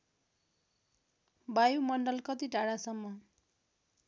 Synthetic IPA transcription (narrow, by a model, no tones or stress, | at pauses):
bajumʌɳɖʌlkʌt̪iɖʱaɽasʌmːʌ